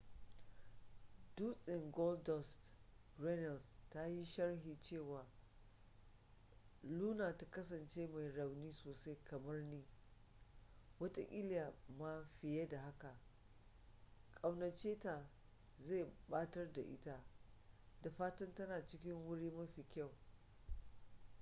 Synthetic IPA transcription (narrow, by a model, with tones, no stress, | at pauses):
d̥uː˦sʼɪ˨ŋɡɔ˦ldɔ˦st | rɛ˦nɐ˨lsta˦ji˦ʃɐ˦rɦiː˨t͡ʃeː˦˨waː˨ | luː˦naː˨ta˦kɐ˦s̬ɐ˨nt͡ʃeː˦ma˨jɾa˨wniː˦soː˨sa˦jkɐ˨mɐ˦rniː˦ | wɐ˦ta˦ʔʲɪ˦ljaː˨ma˦ɸɪ˨je˦da˨ɦa˦ka˨ | kʼa˨wnɐ˨t͡ʃeː˦ta˨ | za˦˨ɓaː˦tɐ˦rda˨ʔɪ̰˦ta˦ | da˨ɸaː˦tɐ˦ntɐ˦naː˨t͡ʃɪ˦kʲɪ˦ŋwʊ˦ɽiː˦mɐ˦ɸi˨kʲa˦˨w